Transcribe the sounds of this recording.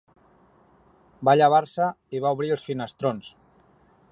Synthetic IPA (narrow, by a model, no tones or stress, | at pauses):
baʎəβ̞aɾsəiβ̞auβ̞ɾiəlˠsfinəst̪ɾons